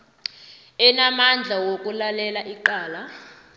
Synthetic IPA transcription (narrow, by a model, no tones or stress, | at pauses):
ɛnamand͡ɮʱawok̬ʼulalɛlaʔiǃaːla